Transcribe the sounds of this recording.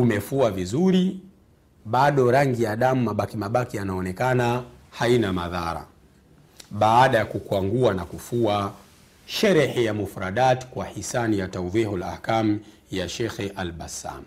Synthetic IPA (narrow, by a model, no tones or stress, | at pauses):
umɛfuavizuɾi | ɓaɗɔɾaŋɡijaɗamumaɓakimaɓakianaɔnɛkana | hainamaðaɾa̰ | ɓaːɗajakukwaŋɡuanakufua | ʃɛɾɛhɛjamufɾaɗatkwahisanijatauðɛhɔla̰ːhkam̩ | jaʃɛxɛʔalɓasa̰m